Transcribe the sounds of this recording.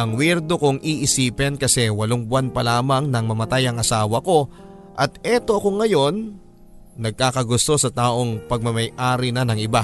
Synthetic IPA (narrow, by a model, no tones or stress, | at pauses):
ʔɐŋwɛɾd̪o̞koŋʔiʔɪsiːpɛnkɐsɛwɐloŋbʊanpɐlaːmɐŋnɐŋmɐmɐt̪ajɐŋɐsaːwɐko̞ | ʔɐt̪̚ʔɛt̪o̞ʔɐko̞ŋːɐjo̞nː | ɐɡ̚kaːkɐɡʊst̪o̞sɐt̪aːʔo̞ŋpɐɡ̚mɐmɐjʔaːɾɪnɐnɐŋɪba